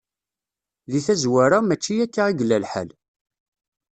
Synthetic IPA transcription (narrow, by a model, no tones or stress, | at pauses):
ðiθæzwæɾamæt͡ʃːijækːaʁiɡlːælħə̰l